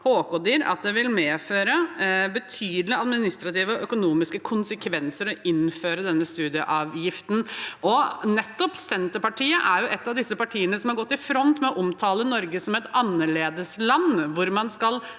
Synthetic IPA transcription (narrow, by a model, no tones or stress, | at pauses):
hoːkɔd̪iːɾɑ̰t̪̚d̪ɛʋɪlmeːføːɾəbət̪ʰyːd̪əlɪɑd̪mɪnɪst̪ɾɑt̪iːʋəɔœkʊnuːmɪskəkʰʊnsəkʰʋɛnsəɾɔɪnføːɾəd̪ɛnːəst̪ʉːd̪ɪəʔɑːʋjɪft̪n̩ɔnɛt̪ːɔpsɛnt̪əɾpɑʈiːəʔæɾjʊʔɛt̪ːɑʋd̪ɪsːəpɑʈʰiːənəsɔmhɑɾɡɔt̪ːɪfɾɔnt̪mɛɔʔɔmt̪ʰɑːlənɔɾɡəsɔmɛt̪ɑnːəɭeːd̪əslɑnːʋʊɾmɑnskɑl